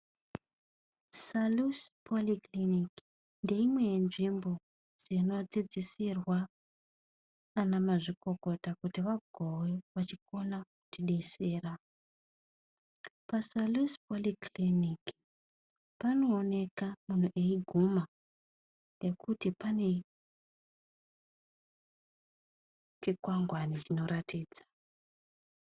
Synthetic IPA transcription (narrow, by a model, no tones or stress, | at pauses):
saluspʰoliklinik | nde̞imwe̞nʐimbo̞ | d͡zino̞d͡zid͡zisirwa | namaʐiko̞ko̞takutiʋaɡʱoweʋat͡ʃiko̞naku̥tʰiɗe̞se̞ːra | pasalispolikliniki | pano̞ːne̞kamun̤uʔeiɡʱuma | jekutipane̞ | t͡ʃikwaŋɡwanit͡ʃino̞ɾatʰiːd͡zḁ